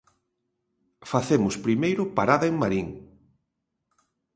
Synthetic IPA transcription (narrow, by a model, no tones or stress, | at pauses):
faθemʊspɾimejɾʊpaɾaðɐeŋmaɾiŋ